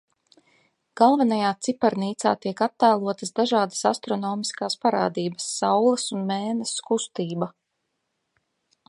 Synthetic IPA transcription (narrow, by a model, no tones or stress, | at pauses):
ɡ̥alˠvanajaːt̪sipaɾniːt̪sa̰ːt̪iɛkat̪ːajlˠuɔt̪əzd̪aʒaːd̪ḁsa̰st̪ɾɔnɔːmiskaːspaɾa̰ːd̪iːbɐ̥sːawlˠɐsunmeːnɛskust̪iːba